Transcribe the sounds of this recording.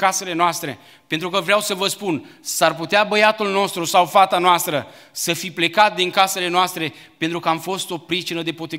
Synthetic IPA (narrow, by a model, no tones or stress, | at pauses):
kase̞le̞noast̪ɾe̞ | pe̞nt̪ɾukəvɾeawsəvəspunsarput̪eabəjat̪ulno̞st̪ɾusawfat̪anoast̪ɾə | səfiple̞kat̪̚d̪iŋkase̞le̞noast̪ɾe̞ | pe̞nt̪ɾukəamfo̞st̪o̞pɾit͡ʃinəd̪e̞pot̪i